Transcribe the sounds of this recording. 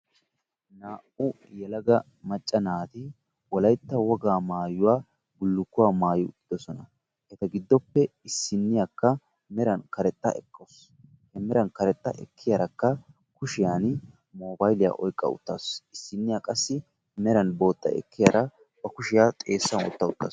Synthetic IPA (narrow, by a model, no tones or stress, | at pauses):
naːʔʊ | jɛlɐɡɐ | mɐt͡ʃʼːɐnaːt̪ɪ | wɔlɐjt̪ːɐwɔɡaːmaːjʊwaː | bʊlːʊkːʊwaːmaːjʊʊ̰t̪ːɪd̪ɔsɔnɐ | hɛt̪ɐɡɪd̪ːɔpːɛɪsːɪnːɪjakːɐ | mɛɾɐnkɐɾɛt̪ʼːɐ̰ʔɛkːos | hɛmɛɾɐnkɐɾɛt̪ʼːɐ̰ʔɛ̰kʰːɪjɐɾɐkːɐ | kʊʃɪjaːn | mo̞ːbajlɪja̰ʔɔjkʼːɐ̰ʊ̰t̪ːaːsɪsːɪnːɪjakʼɐsːɪ | mɛɾɐnbo̞ːt̪ːɐ̰ʔɛ̰kːɪjaɾɐ | b̥ɐkʊʃɪjaːt̪ʼeːsːɐnɔ̰t̪ːɐʊt̪ːa̰ːs